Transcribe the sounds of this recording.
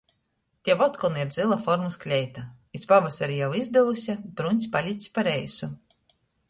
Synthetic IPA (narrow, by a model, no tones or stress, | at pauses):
t̪ʲiɛvɔt̪kɔnɨiɾd̪zilˠafɔɾmasklʲɛjt̪a | ispavasaɾijawizd̪ɛlˠusʲab̥ɾunʲsʲpalʲit̪sʲpaɾɛjsu